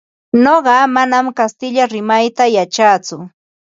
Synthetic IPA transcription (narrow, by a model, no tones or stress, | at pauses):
noɢɑmanamkast̪ɪʎaɾɪmajt̪ajat͡ʃat͡sʊ